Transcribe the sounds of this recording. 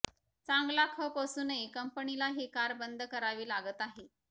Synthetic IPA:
t͡sãŋɡlakʰəpəsuːnəikəmpəɳilaɦikaɾbənd̪ʱkəɾaʋiːlaɡət̪aɦe

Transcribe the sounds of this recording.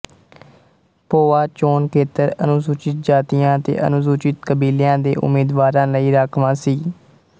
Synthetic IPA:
poːaːt͡ʃoːnkeːt̪əɾənʊsuːt͡ʃɪt̪̚d͡ʒaːt̪ɪjãːt̪ḛːʔə̰nʊs̬uːt͡ʃɪt̪kəbiːljãːd̪eːʔʊ̰miːd̪ʋaːɾãːləiːɾaːkʰʋãːsiː

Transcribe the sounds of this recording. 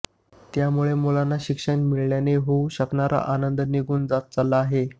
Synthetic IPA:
t̪jamuɭemulanːaɕikʂəɳmiɭɳjaneɦouɕəkɳaɾʔa̰ʔanənd̪əniɡʱuːnd͡zat̪̚t͡salaːɦe

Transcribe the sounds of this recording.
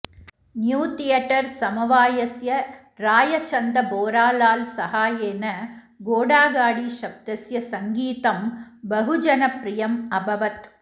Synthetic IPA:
njuːt̪ɪjɐʈːɐɾsɐmɐʋaːjɐsjɐ | ɾaːjɐt͡ʃɐnd̪ɐboːɾaːlaːlsɐhaːjeːnɐ | ɡoːɽaːɡaːɽiʃɐb̚d̪ɐsjɐsɐŋɡiːt̪ɐmbɐɦʊd͡ʒɐnɐpɾɪjɐmɐbɐʋɐt̪

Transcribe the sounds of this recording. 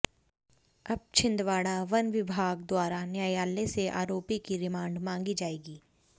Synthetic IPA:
ɐb̚t͡ʃʰɪ̃nd̪ʋaːɽaʋɐnʋɪbʱaːɡ̚d̪waːɾanjaːjaːleseʔa̰ːɾoːpikiɾɪmãːɳɖmãːŋɡid͡ʒaːeːɡiː

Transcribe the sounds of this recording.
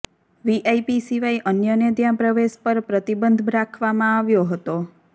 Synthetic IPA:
ʋiʔajpisiʋajʔənjənəd̪jãpɾəʋeʃpəɾpɾət̪ibənd̪ʱɾakʰʋamãaʋjoɦət̪o

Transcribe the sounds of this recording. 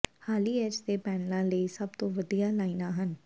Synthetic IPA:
haːlieːd͡ʒt̪epɛːnlaleːisɐbt̪oʋɐd̪ijalaːɪnaɦən

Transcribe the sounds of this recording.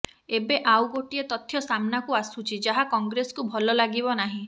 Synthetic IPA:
ebeʔawɡoʈiet̪ɔt̪ʰːjɔsamnakuasut͡ʃʰid͡ʒaɦakɔŋɡɾesɔ̥kubʱɔlɔlaɡibɔnaɦĩ

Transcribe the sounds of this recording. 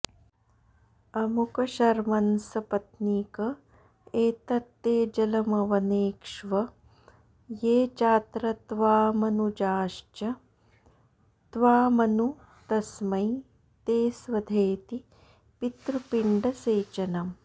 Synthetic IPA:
ɐmukɐʃɐɾmɐnsɐpɐt̪niːkɐ | eːt̪ɐt̪ːeːd͡ʒɐlɐmɐʋɐneːkʂʋɐ | jeːt͡ʃaːt̪ɾɐt̪ʋaːmɐnud͡ʒaːʃt͡ʃɐ | t̪ʋaːmɐnu | t̪ɐsmɐj | t̪eːsʋɐd̪ʱeːt̪i | pit̪ɾupiɳɖɐseːt͡ʃɐnɐm

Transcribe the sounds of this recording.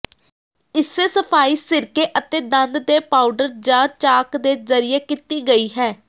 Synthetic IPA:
ɪsːeːsəpʰaːiːsɪɾkeːʔət̪eːd̪ənd̪d̪eːpaːʊɖəɾd͡ʒãːt͡ʃaːkd̪eːzəɾɪeːkɪt̪iːɡəiːɦɛː

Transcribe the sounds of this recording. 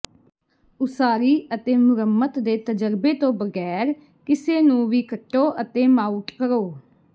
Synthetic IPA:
ʊsaːɾiːət̪eːmʊɾəmːət̪d̪eːt̪əd͡ʒəɾbeːt̪õːbəɡɛːɾ | kɪseːnũːʋiːkəʈːoːʔət̪eːmaːuʈkəɾoː

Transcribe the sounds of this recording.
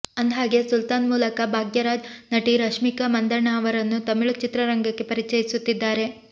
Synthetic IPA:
ɐnd̪ɦaːɡesult̪aːnmuːlɐkɐbʱaːɡjɐɾaːd͡ʒnɐʈiɾɐʂmikɐmɐnd̪ɐɾɳaɐʋɐɾɐnːut̪ɐmiɭut͡ʃit̪ɾɐɾɐŋɡɐkːe̞pɐɾit͡ʃɐjisut̪ːid̪ːaːɾe̞

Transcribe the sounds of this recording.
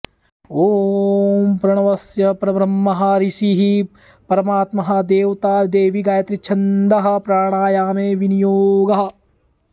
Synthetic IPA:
oːmpɾɐɽ̃ɐʋɐsjɐpɾɐbɾɐmːɐɦɐɾisiɦi | pɐɾɐmaːt̪mɐɦɐ̆d̪eːʋt̪aːɾd̪eːʋiɡaːjɐt̪ɾit͡ʃʰɐnd̪ɐɦɐ̆pɾaːɽ̃aːjaːmeːʋinijoːɡɐɦɐ̆

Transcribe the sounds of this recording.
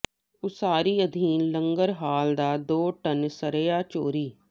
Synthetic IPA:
ʊsaːɾiːəd̪ʱiːnləŋɡəɾɦaːld̪aːd̪oːʈənsəɾeːjaːt͡ʃoːɾiː

